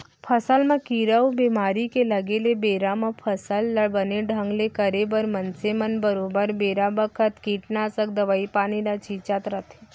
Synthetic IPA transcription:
pʰəsəlmãkiɾəwbemaɾikeləɡelebeɾamãpʰəsəlːəbəneɖʱə̃ŋɡlekəɾebəɾmənsemənbəɾobəɾbeɾabəkʰət̪kiːʈnasək̚d̪əʋaipanilat͡ʃit͡ʃat̪ɾət̪ʰe̥

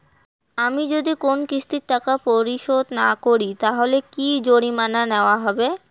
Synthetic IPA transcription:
amid͡ʑod̪ikonkist̪iɾʈːakapoɾiʃod̪nakoɾit̪aɦolekid͡ʑoɽ̃imananeoaɦɔbe

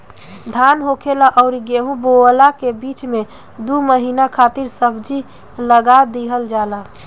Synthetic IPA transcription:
d̪ʱanɦokʰelaʔɔʊɾiɡeɦũboəlakebit͡ʃme | d̪uməɦinakʰat̪iɾsəbd͡ʒi | ləɡad̪eɦəld͡ʒala

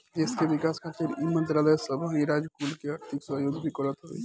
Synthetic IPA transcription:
d͡ʒɪskeʋɪkaːskat̪ʰɪɾimə̃nt̪ɾaːləjsəbʱaiɾaːd͡ʒkuːlkeaɾt̪ʰɪksəjoɡ̪bʱikəɾət̪ɦo̰ḭ

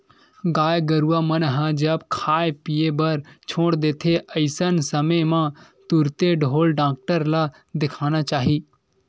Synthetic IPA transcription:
ɡaːjɡəɾuamənɦãd͡ʒəbkʰaːjpijebɐɾt͡ʃʰoːɽd̪eːt̪ʰeʔəɪsənsəməmã | t̪ʊɾt̪eɖʱoːlɖãːk̚ʈəɾla | d̪ɪkʰaːnat͡ʃaːɦiː

